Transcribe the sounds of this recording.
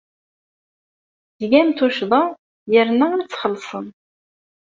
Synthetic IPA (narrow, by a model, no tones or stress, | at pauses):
ðɡæmt̪uʃðˤɑ | jəɾnænt͡sːχəlːsˤə̰n